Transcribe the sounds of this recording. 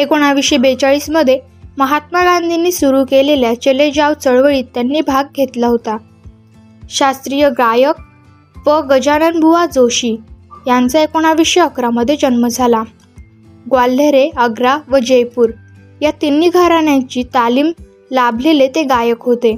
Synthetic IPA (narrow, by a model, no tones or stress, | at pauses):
ekoɽ̃aʋiʂebet͡saɭiːsməd̪ʱːje | məɦat̪maɡãnd̪ʱinːiːsuɾuːkeleljat͡ɕeled͡ʑaʋt͡səɭʋəɭiːt̪ːjanːiːbʱaɡɡʱet̪laɦot̪a | ɕast̪ɾijəɡajək̚ | ʋəɡəd͡ʑanənbʱuʋad͡zoɕiːjant͡saekoɽ̃aʋiʂjəkɾaməd̪ʱːjed͡ʑənməd͡zʱala | ɡwalːeɾeəɡɾaʋəd͡ʑəjpuːɾ | jat̪inːiːɡʱaɾanjãɲt͡ɕiːt̪aliːm | labʱlelet̪eɡajəkɦot̪e